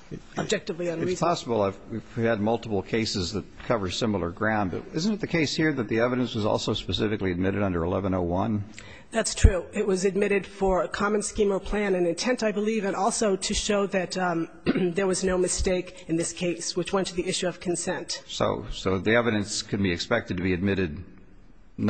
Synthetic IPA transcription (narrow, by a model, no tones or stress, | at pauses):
əbd͡ʒɛk̚tɨvliɨ̃nɹizʰɑsəbl̩ˠaɪviɨd̚mʌlˠtəpl̩ˠkʰeɪsɨzðɨt̚kʰʌvə̥˞sɪ̃ml̩ˠə˞ɡɹãʊ̃ndbʌ̰ɪz̃n̩ɨt̪̚ðɨkʰeɪshiɹðɨt̪̚ðiɛvɨɾɨ̃nswʌzɔ̰lˠsoʊspɨsɪfɨkliɨd̚mɪɾɨɾʌ̃ndə˞əlɛvə̃noʊwʌ̃n | ðætstʰɹ̥ʉɪt̚wʌzɨd̚mɪɾɨd̥fə˞ɨkʰɑmɨ̃nskĩmə˞pʰl̥æ̃nɨ̃nɨ̃ntʰɛ̃ntaɪbəlivɨ̃nɔlˠsoʊɾɨʃoʊðɨt̪ | ðə˞wʌznoʊmɨsteɪkɨ̃nðɪskʰeɪswɨt͡ʃwɛ̃ntʰɨðiɪʃʉʌv̥kʰn̩sɛ̃ntso̰ʊsoʊðiɛvɨɾɨ̃nskʰɨd̚biɨkspɛk̚tɨd̚tʰɨbiɨd̚mɪɾɨd̚ⁿ